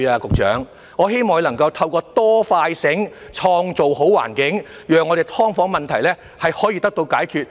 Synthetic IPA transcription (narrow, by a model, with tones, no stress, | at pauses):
aː˧kʊ˨k̚t͡ʃœ̰ː˨˥ŋ | ŋɔː˨˧ɦe˥jmɔː˨ŋ˧lɐ˨˩ŋkɐ˧wt̪ʰɐ˧wkɔː˧t̪ɔː˥faː˧jsɪ˨˥ŋ | t͡ʃʰɔː˧ŋt͡so˨who˨˥wa̰ː˨˩nkɪ˨˥ŋ | jœː˨ŋːɔː˨˧ɾe˨jt̪ʰɔː˥ŋfɔː˨˥ŋmɐ˨nt̪ʰɐ˨˩jlɛː˥ | hɐ˨jhɔː˨˥jiː˧t̪ɐ˥k̚t̪o˧wkaː˨˥jkʰyː˨t̚